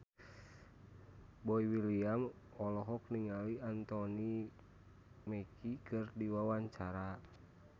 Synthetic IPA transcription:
bɔiwiliam | ɔlɔɦɔk̚niŋaliant̪ɔni | mɛkʰikɨrdiwawaɲt͡ʃaɾa

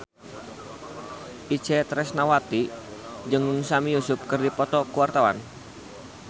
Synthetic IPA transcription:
ʔi̥t͡ʃɛt̪ɾɛsnawat̪id͡ʒɨŋsamijusʊp̚kərdipɔt̪ɔkuwart̪awa̰n

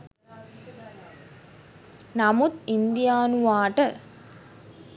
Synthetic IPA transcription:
nɐmut̪ind̪ijaːnuʋaːʈə

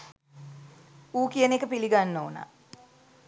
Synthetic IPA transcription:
uːkijənekəpiliɡanːoːna̰

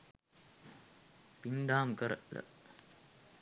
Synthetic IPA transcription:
pind̪aːmkəɾələ̰

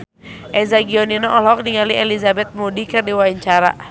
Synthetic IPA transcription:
ʔɛzaɡiɔninɔʔɔlɔk̚niŋaliʔɛlizabɛt̪̚mudikɨrdiwaiɲt͡ʃaɾa̰

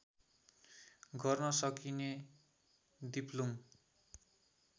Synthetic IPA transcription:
ɡʱʌrnʌsʌkine | d̪iplom

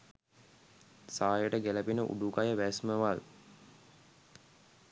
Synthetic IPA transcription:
saːjəʈəɡeləpinəʔṵɖukajəʋæsməʋal

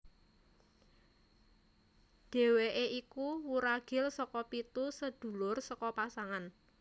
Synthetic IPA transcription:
d̥e̤weʔeikuwuɾaɡ̥ɪ̤lsɔkɔpit̪usəd̪̥ṳlʊrsɔkɔpasaŋan

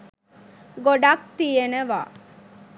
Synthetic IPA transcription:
ɡoɖak̚t̪ijeneʋa̰

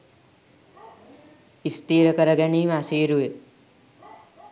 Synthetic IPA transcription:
ist̪iːɾəkɐɾɐɡɛɳiːmaːsiːɾue

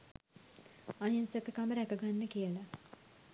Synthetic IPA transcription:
ajinsekəkaməɾækəɡanːəkijəla

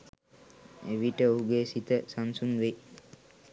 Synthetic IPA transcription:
eʋiʈəoɦuɡeːsit̪əsansunʋe

